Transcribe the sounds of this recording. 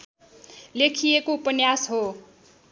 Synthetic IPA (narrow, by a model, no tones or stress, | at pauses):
lekʰijekoupʌnjasɦo